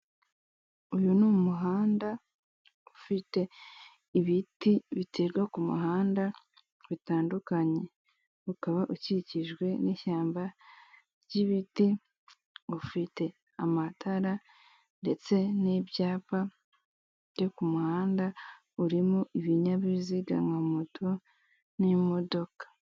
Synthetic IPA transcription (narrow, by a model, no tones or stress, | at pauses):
ujunummuɦaːnda | ufite̞ | iβitiβitʰeɾɡwakumṵɦaːnda | βitaːndukaɲe | ukaβaʔuciciʒɡwe̞niçaːmba | ɾɟiβiti | ufite̞ | amatʰaɾa | nde̞t͡se̞nibjaːpa | jokumuhaːnda | uɾimuʔiβiɲaβiziɡa̰ŋɡamutʰo | nimo̞do̞kḁ